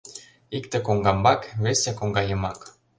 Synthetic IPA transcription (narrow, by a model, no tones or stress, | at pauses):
ikt̪ĕkoŋɡɑmbɑkβesʲekoŋɡɑjə̆mɑk